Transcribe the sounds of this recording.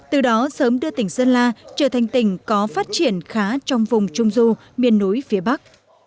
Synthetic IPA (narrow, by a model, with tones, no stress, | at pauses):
t̪ɨ˨˩ɗɔ˨˦səː˨˦mɗɨ˧ət̪ï˧˩ŋ̟səː˧nlaː˧t͡ɕəː˧˩t̪ʰa˨˩ŋ̟t̪ï˧˩ŋ̟kɔ˨˦faː˦˥t̚t͡ɕi˧˩ənxaː˨˦t͡ɕɔ˧wŋ͡mvʊ˨˩ŋ͡mt͡ɕʊ˧ŋ͡mzu˧ | mi˧˩ənːu˨˦jfi˨˦əɓa˦˥k̚